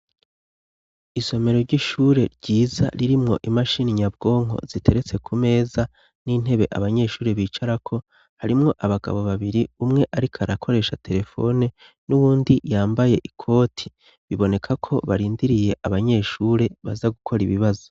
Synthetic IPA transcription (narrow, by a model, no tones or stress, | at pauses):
iso̞me̞ɾo̞ɾɟiʃuːɾe̞ɾɟiːza̰ɾiɾimŋo̞̰ʔimaʃiniɲab̚ɡo̞ːŋɦo̞̰z̥itʰe̞ɾet͡se̞kʰume̞ːza | nin̥e̞βe̞ʔa̰βaɲe̞ːʃuːɾe̞βiːt͡ʃaɾakʰo̞ | haɾimŋo̞ʔaβaɡa̰βo̞βaβiɾiumŋe̞ʔaɾikʰaɾakʰo̞ɾe̞ːʃatʰe̞ɾe̞fo̞̰ne | nuβuːndijaːmbaje̞ʔikʰo̞ːtʰi̥ | βiβo̞ne̞kʰakʰo̞̰βaɾiːndiɾije̞ʔaβaɲe̞ːʃuːɾe̞βazaɡukʰo̞ɾiβiβazo̥